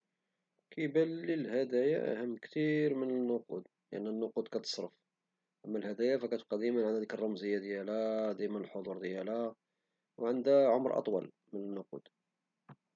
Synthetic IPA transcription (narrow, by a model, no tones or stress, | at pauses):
kæjbælːilhæd̪æjaʔæ̰həmːkt̪iɾmənənːʊqṵd̪ | lə̰ʔənːənːʊqud̪kæt̪ə̥sˤɾəf | ʔəmːælhæd̪æjafækæt̪qɑd̪imənʕand̪æd̪ikərˤːɑmzəjːad̪jælæd̪æjmnəlħod̪ˤuɾd̪jælæ | wʕənd̪æʕomɾʔɑ̰t̪ˤwɑ̰l | mənənːʊqṵd̪̥